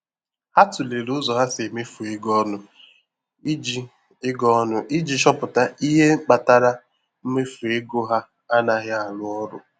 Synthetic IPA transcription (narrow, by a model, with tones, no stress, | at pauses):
a˦tʊ˨le˨lʊ˦zɔ˨ɦa˦se˨me˦fu˨e˦ɡɔ˦nʊ˦ | i˦d͡ʒi˦ | ɪ˦ɡɔ˦nʊ˦ʔi˦d͡ʒi˦ʃɔ˦pʊ˨ta˦i˦ɦe˦k͡pa˨ta˦ɾa˦ | m̩˦me˦fu˨e˦ɡo˦ɦa˦ | a˦na˨ɣɪ˦a˨lʊ˦ɔ˦ɾʊ̰˨